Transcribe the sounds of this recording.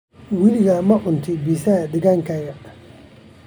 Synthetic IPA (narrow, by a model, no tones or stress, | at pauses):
wɪlɪɣɐmɐʕʊnt̪ʰɪbiːsɐhɐd̪ɐɣaːŋkʰɐjɐ